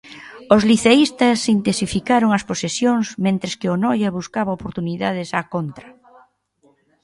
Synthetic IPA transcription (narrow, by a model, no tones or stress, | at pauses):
ozliθeist̪ɐsint̪esifikaɾoŋɐsposesjoŋsmẽnt̪ɾɪskɪonɔjɐβuskaβɐopoɾt̪uniðaðɪsakont̪ɾɐ